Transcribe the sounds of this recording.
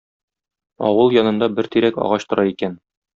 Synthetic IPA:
ɒ̰wɤlˠjɒnɤ̆nd̪ɑbɘɾt̪iɾækɒ̰ʁɑɕt̪ŏɾɑikæn

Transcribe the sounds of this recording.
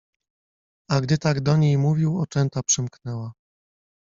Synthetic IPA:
aɡd̪ɘt̪aɡd̪ɔɲejmuvʲiwɔt͡ʂɛnt̪apʂɘmknɛwa

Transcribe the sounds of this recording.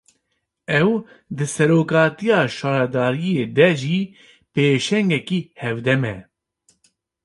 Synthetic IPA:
ɛw | d̪ɨsɛɾoːkɑːt̪ijɑːʃɑːɾɛd̪ɑːɾijeːd̪ɛʒi | peːʃɛŋɡɛkiːhɛvd̪ɛmɛ

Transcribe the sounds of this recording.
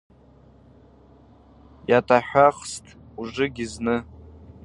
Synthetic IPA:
jatʰʼaħʷᶣaχstʰʼ | uʐʷɨɡʲiznɨ

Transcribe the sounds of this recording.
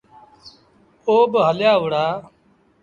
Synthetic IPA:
oːbɦəljaːʊɽaː

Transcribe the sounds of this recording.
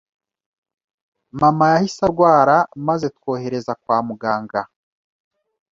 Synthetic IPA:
mamajahisaɾɡwaːɾamazetwo̞ːhe̞ɾe̞zakwaːmuɡaːŋɡa

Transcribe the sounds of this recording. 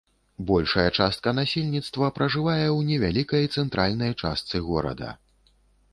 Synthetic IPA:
bɔlʲʂɐjɛt͡ʂast̪̚kɐnasʲelʲnʲit̪st̪vɐpɾɐʐɨvajɛwnʲɛvʲalʲikɐjt̪sɛnt̪ɾʔalʲnɐjt͡ʂa̰st̪sɨɣɔɾɐ̰d̪ɐ̰

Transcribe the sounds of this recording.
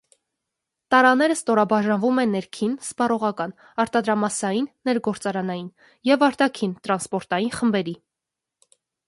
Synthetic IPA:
t̪ɑɾɑnɛɾəst̪ɔɾɑbɑʒɑnvumɛnːɛɾkʰinspɑrɔʁɑkɑn | ɑɾt̪ɑd̪ɾɑmɑsɑjinːɛɾɡɔɾt͡sɑɾɑnɑjin | jɛvɑɾt̪ɑkʰint̪ɾɑnspɔɾt̪ɑjinχəmbɛɾi

